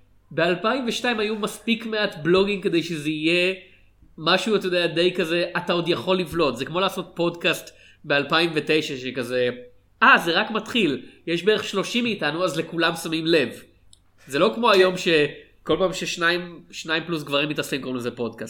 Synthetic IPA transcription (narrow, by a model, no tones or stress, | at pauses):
be̞alpaimveʃnaimajumaspikmeatblo̞ɡimke̞d̪e̞jʃezeije̞ | maʃuat̪ajod̪eade̞jkaze̞ʔatao̞d̪jaχo̞lːivlo̞tzekmo̞laːso̞t̚po̞dkast | bealpaimve̞te̞jʃaʃekaze̞ | ʔaze̞ʁakmatχiljeʃbeeeχʃlo̞ʃimeːtanuazle̞kulamsamimle̞v | ze̞lo̞kmo̞ajo̞mʃe̞ | ko̞lpaːmʃeʃnaimʃnaimplus̬ɡvaʁimːitasimkomlezepo̞dkast